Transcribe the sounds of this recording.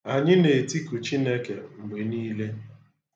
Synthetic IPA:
a˨ɲɪ˦ne˨ti˦ku˨t͡ʃi˦ne˦ke˨ŋ͡m̩˨ɡ͡be˨niː˦le˦

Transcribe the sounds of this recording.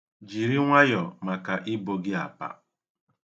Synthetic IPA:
d͡ʒi˨ɾi˦ŋʷa˦jɔ˨ma˨ka˨ʔɪ˦bo˨ɡɪ˦a̰˨pa̰˨

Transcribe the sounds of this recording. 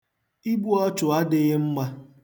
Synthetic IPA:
i˦bu˦ɔ˦t͡ʃʊ˨a˦dɪ˦ɣɪ˦ŋ͡m̩˦ma˦

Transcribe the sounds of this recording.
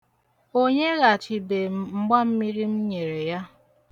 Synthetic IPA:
o˦ɲe˦ɣa˨t͡ʃi˨be˨m̩˦ɡ͡ba˦m̩˦mi˦ɾi˦m̩˦ɲe˨ɾe˨ja˦

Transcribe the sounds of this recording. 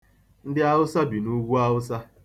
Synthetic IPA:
n̩˦dɪ˦a˦ɦʊ˦sa˦bi˨nu˦ɡʷu˦a˦ɦʊ˦sa˦

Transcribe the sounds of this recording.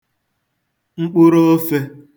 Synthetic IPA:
ŋ͡m̩˦k͡pʊ˦ɾo˦o˦fe˦

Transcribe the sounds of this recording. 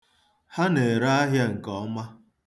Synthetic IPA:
ha˦ne˨ɾa˦a˦ɦja˦ŋ̩˨kɔ˦ma˦

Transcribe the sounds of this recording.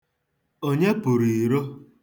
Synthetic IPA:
o˦ɲe˦pʊ˨ɾi˨ɾo˦

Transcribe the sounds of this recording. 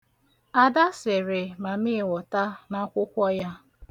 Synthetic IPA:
a˨da˦sɪ˨ɾɪ˨ma˨mɪ˦˨wɔ˨ta˦na˦kʷʊ˦kʷɔ˦ja˦

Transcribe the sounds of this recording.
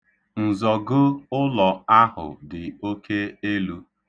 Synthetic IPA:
n̩˨zɔ˨ɡʊ˦ʊ˦lɔ˨a˦ɦʊ̰˨dɪ˨o˦ke˦e˦lu˦

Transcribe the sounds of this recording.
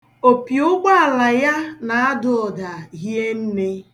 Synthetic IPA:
o˨pjʊ˦ɡ͡ba˦a˨la˨ja˦na˨a˦dʊ˨ɔ˨da˨ɦje˦n̩˦ne˦

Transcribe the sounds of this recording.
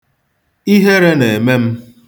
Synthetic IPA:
i˦ɦe˦ɾe˦ne˨e˨me˦m̩˦

